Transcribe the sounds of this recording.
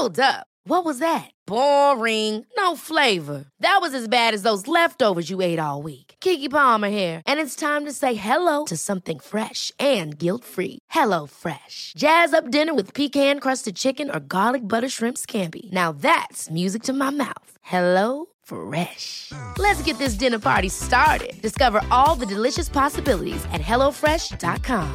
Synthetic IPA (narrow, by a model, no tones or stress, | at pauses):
olˠdzʌp̚ | wʌt̚wʌzðɨt̚b̥ɔɹɪ̃ŋnoʊfleɪvə˞ðɨt̚wʌzɨzbæɾɨzðoʊzlɛftoʊvə˞zjɨeɪɾɔ̰lˠwikkʰɪkipɑmə˞hɛɹʔɨ̃nɨtstʰãɪ̃mtɨseɪɦɛloʊɾɨsʌ̃mθɪ̃ŋfɹɛʃɨ̃nɡɪlˠtfɹḭhɛloʊfɹɛʃd̥ʒ̥æzʌp̚d̥ɪ̃nə˞wɨð̥pʰikhæ̃nkʰɹ̥ʌstɨd̚t͡ʃʰɪkɨ̃nə̰˞ɡɑlˠɨk̚bʌɾə˞ʃɹɪ̃mpskʰæ̃mpḭnaʊðætsmjʉzɨk̚tʰɨmaɪmaʊθhɛloʊ | fɹɛʃlɨtsɡ̥ɛt̪̚ðɪs̬d̥ɪ̃nə˞pʰɑ̰ɹɾistɑɹɾɪ̰d̚d̥ɨskʌvə˞ʔɔlˠðɨdɨlɪʃɨspʰɑsɨbɪlˠə̰ɾḭzɨ̰t̚ɦɛlˠoʊfɹɛʃd̥ɑ̰t̚kʰɑ̃m